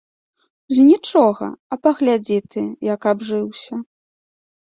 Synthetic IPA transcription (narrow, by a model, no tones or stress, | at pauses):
zʲnʲit͡ʂɔɣɐ̰ɐpɐɣlʲad͡zʲit̪ɨjɐkabʐɨwsʲɐ